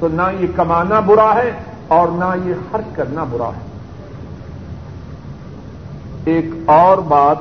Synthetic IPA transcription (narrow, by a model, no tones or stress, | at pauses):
t̪oːnajekɐmaːnabʊɾaɦɛ | ɔːɾnajexɐɾt͡ʃkɐɾnabʊɾa̰ɦɛː | eːkɔːɾbaːt̪